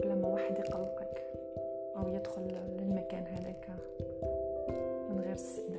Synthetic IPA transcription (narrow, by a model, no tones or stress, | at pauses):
læmːæwaːħəd̪jqɑlːʔak | ʔæwjəd̪xʊlːɪlmækæːnɦæd̪æk | mɪnɣiːɾəsːɪn